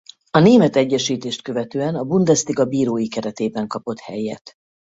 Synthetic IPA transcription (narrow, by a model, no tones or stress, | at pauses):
ɒneːmɛt̪ɛɟːɛʃiːt̪eːʃt̪̚køvɛt̪øːɛnɒbund̪ɛst̪iɡɒbiːɾoːjikɛɾɛt̪eːbɛŋkɒpo̞t̪hɛ̰jːɛ̰t̪